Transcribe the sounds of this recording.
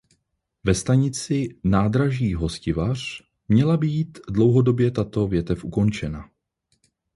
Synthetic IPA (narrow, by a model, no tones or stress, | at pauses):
vɛst̪aɲɪt͡sɪnaːd̪ɾaʒiːɦo̞scɪvar̝̥ | mɲɛlabiːt̪dlo̞wɦo̞do̞bjɛt̪at̪o̞vjɛt̪ɛfʔuko̞nt͡ʃɛna